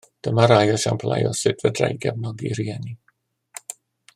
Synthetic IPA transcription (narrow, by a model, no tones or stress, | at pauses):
d̥əmaɾajɔʃa̰mpʰla̰jɔ̰sɨdvədra̰jɡɛvnɔɡiɾiɛni